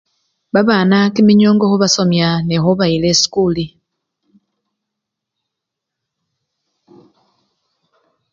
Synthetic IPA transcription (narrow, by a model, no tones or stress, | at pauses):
βaβaːnakimiɲoːŋɡoxuβaso̞mjanexoβailesi̥kuli